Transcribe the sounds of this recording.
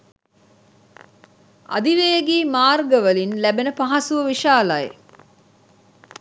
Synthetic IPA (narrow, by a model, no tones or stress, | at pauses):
a̰d̪iʋejəɡiːmaːrɡəʋəlinlæbenəpaɦasuʋəʋiʃaːlaj